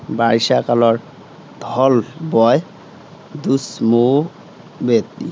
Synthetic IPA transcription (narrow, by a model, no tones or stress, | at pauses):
baɾʃakalɔɾ | d̪ʱɔlbɔe | d̪usmo | bet̪ːḭ